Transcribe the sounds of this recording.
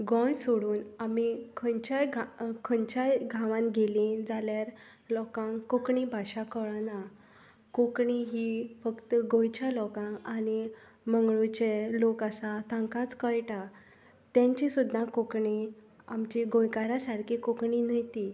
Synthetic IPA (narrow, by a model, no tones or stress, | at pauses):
ɡɔ̃jsoɽuːnamikʰənt͡ɕajɡkʰəɲt͡ɕajɡʱãʋãnɡelĩd͡zaljaɾ | lɔkãŋkokɳibʱaɕakəɭna | kokɳiɦifəkt̪əɡõjt͡ɕjalɔkãŋañi | məŋɡɭut͡ɕelokasat̪ãŋkãt͡skəjʈa | t̪jãɲt͡ɕisud̪ʱːãkokɳi | amt͡ɕiɡõjkaɾasaɾkʰikokɳinəjt̪i